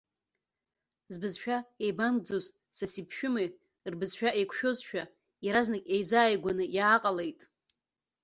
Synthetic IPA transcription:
zbɨzʃᶣaejbamɡ̚d͡zoz | sasipʰʃᶣʊmaj | rbɨzʃᶣaʔejkʷʰʃᶣo̞zʃᶣa | jaɾaznɨkʲʼejzaːjɡʷanɨjaːqʼale̞jtʼ

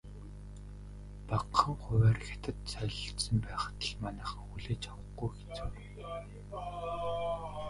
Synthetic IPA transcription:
paqʰːə̆ŋχʊwæːrxʲe̥t̪ʰə̆t̪sœɮɞ̆ɬt̪sə̆mpæːχə̥̆t̪ə̆ɮmanæːχə̆ŋuɮeːt͡ɕʰawə̆ɡujxe̥t͡sur

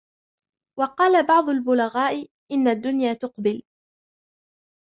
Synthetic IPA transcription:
wɑqɑːlabɑʕd̪ˤʊlbʊlaɣaːʔɪ | ʔɪnːad̪ːʊnjaːt̪ʊqbɪl

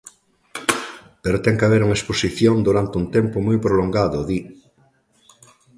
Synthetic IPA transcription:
peɾot̪ɛŋkaβeɾuŋaesposiθjond̪uɾant̪ɪunt̪ɛmpoʊmujpɾoloŋɡaðʊði

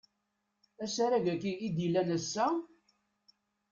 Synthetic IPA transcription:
æsaɾæʝækiːd̪ilːænəsːæ

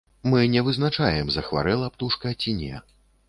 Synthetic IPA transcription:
mɨnʲɛvɨznat͡ʂajɛmzɐxva̰ɾɛlˠɐpt̪uʂkɐt͡sʲinʲɛ̰

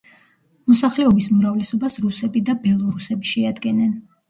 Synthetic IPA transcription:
mɔsaχlɛɔbisumɾavlɛsɔbasɾusɛbid̪abɛlˠɔɾusɛbiʃɛad̪ɡɛnɛn

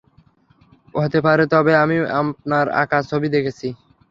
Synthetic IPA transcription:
oɦt̪epaɾet̪ɔbeamia̰p̚naɾa̰kat͡ɕʰobid̪ekʰet͡ɕʰi

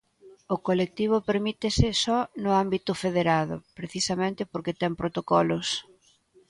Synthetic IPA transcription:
ʊkolek̚t̪iβ̞ʊpeɾmit̪ɪsɪsɔnʊambit̪ʊfeðeɾað̞ʊ̰pɾeθisɐmẽnt̪ɪpoɾkɪt̪ɛŋpɾot̪okɔlʊs

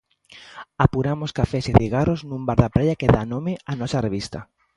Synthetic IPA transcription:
apuɾamoskafɛsɪðiɣaroznũmbaɾðapɾajakeðanõmɪanɔsɐreβ̞ist̪ɐ

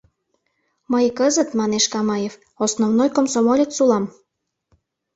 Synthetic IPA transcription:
məjkəzət̪mɑneʃkɑmɑjef | osnovnojkomsomolʲet̪sulɑm

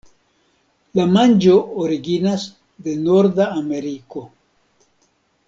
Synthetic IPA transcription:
lamand͡ʒo̞oɾiɡinas | d̪enoɾd̪aːme̞ɾiko̞

